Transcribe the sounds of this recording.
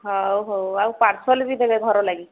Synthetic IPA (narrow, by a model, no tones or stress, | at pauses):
ɦawɦowawpaɾsʰɔlbid̪ebɛɡʱɔɾɔlaɡi